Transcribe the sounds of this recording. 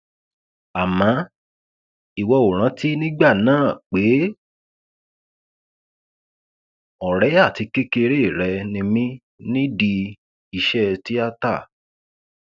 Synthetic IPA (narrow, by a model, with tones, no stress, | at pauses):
a˨mã˨˦ | i˨wɔ˧o˨ɾ̃ã˨˦ti˦nĩ˦ɡ͡ba˦˨nãː˦˨k͡pe˨˦ | ɔ˨ɾɛ˨˦a˦˨ti˨˧ke˦ke˧ɾe˦˨ɾɛ˧nĩ˧mĩ˦ | nĩ˦di˧ | i˧ʃɛ˦ti˦a˦ta˦˨